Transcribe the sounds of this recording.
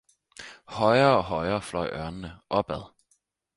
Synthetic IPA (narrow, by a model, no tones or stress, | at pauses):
hɒɪɐːɒ̽ɦɒɪɐːflɒɪʔɶɐnənəʔɒ̽b̥æð̞ˠ